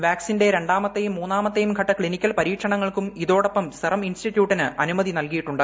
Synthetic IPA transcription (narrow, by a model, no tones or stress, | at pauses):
ʋaːksinde̞ɾe̞ɳɖaːmɐt̪ːejumːuːnːaːmɐt̪ːejumkʰɐʈːɐkɭinikʲːɐlpɐɾiːkʂɐɳɐŋːɐɭkumiðo̞ːɽo̞pːɐmst̪irɐminstitːjuːʈːinɨʔɐnumɐðinɐlkijiʈːuɳɖɨ